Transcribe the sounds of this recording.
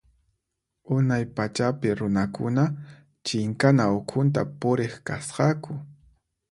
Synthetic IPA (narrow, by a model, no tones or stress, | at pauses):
ʊnajpat͡ʃapɪɾʊnakʊ̰na | t͡ʃɪŋkanaokʰʊnt̪̬apʊɾeχkasqɑkʊ